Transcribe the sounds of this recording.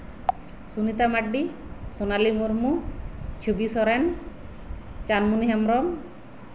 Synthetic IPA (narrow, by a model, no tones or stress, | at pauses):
sunit̪amaɖːi | sonalimoɾmut͡ʃʰubisɔɾen | t͡ʃanmuniɦɛmɾɔm